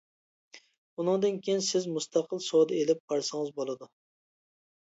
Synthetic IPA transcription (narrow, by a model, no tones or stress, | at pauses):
unɨŋd̪ɨnkʲʰejinsɪzmust̪ʰɑqʰəlˠsod̪ɪelɪppɑɾsɪŋɨzbolˠɨd̪ʊ